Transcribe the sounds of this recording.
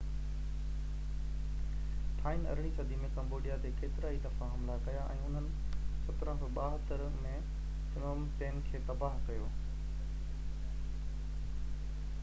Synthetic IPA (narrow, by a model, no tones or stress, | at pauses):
t̪ʰaːɪnɐ̰ɾɪɽ̃isɐd̪ʱimẽkɐ̃mboːɖijat̪eːkeːt̪ɪɾaːid̪ɐfãɦɐmlakɐjaʔɛ̰̃ːʊn̤ənɪ̆ | sɐt̪ɾãtoɓaːɦət̪əɾmẽ | sɪnoːmpeːnkʰeːt̪ɐbaːɦkɐjoː